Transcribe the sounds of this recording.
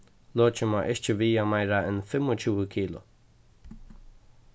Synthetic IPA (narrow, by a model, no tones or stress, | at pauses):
loːt͡ʃəmaʔɪʃt͡ʃəviːamajɾaɪnfɪmʊt͡ʃʰuwəkʰiːlʊ̰